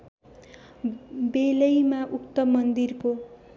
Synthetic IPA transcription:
belʌjmaʔukt̪ʌmʌnd̪irko

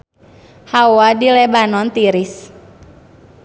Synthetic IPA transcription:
hawadilebanɔnt̪iɾɪs

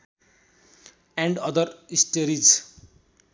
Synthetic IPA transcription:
ɛ̃ɳɖʌd̪əɾisʈeɾid͡ʒ

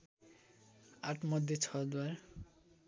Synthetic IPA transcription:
aʈʰmɔd̪ʱːet͡ɕʰɔd̪waɾ

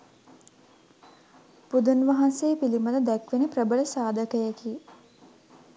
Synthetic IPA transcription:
pud̪unʋaɦanseːpiliməd̪əd̪ækʋenəprəbəɭəsaːd̪əkəjəki

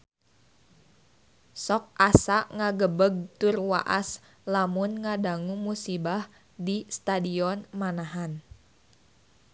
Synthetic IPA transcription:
sɔk̚ʔasaʔŋaɡəbəɡ̚t̪ʊrwa̰ʔas | lamʊnŋadaŋumusibah | dist̪adiɔnmanaɦan

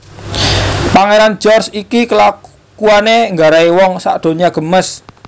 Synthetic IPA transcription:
paŋeɾand͡ʒɔrsikikəla | kuaneŋɡaɾaiwɔŋsa̰ʔd̥o̤ɲaɡ̥ə̤məs

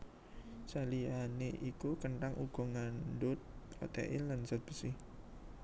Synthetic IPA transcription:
salianeʔikukənʈaŋʔuɡ̥ɔ̤ŋanɖʊt̪̚ɔ̰t̪ɛ̰ʔɪllansat̪̚b̥əsɪh

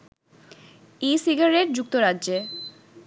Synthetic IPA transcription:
isiɡaɾeʈ̚d͡ʑuk̚t̪oɾadːʑe

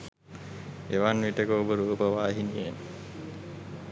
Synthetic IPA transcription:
eʋanʋiʈəkoːbəɾuːpəʋaːɦinien

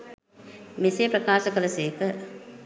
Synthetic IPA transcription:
misejpɾɐkaːʃəkɐlɐseːkə

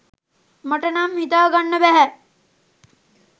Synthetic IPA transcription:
mɐʈɐnaːmɦit̪aɡɐɳːɐbɛɦɛ

